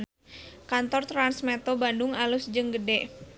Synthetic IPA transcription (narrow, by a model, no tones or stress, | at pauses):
kant̪ɔrt̪ɾansmɛt̪obandʊŋalusd͡ʒəŋɡədɛʔ